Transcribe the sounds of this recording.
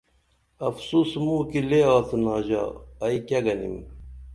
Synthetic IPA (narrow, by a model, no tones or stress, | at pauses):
ɐfsusmuːkileːaːθunaːʑa̰ɐikaɡɐnḭm